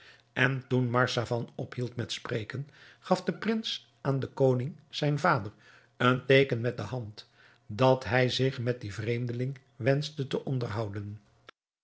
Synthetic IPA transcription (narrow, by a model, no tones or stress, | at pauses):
ɛntunmɑɹsavɑnɔpɦilˠtmɛtsprejkən | χɑfdəprɪns | ʔaːndəkownɪŋz̥ɛjnvaːdər | əntejkənmɛt̚dəɦɑnt | dɑtɦɛjzɪχmɛt̚divrejmdəlɪŋ | ʋɛnstətəʔɔndərɦɑwdən